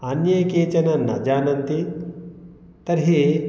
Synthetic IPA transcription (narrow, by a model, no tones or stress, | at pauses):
anjɐjkeːt͡ʃɐnɐnɐ̰d͡ʒaːnɐnt̪i | t̪ɐɾɦeː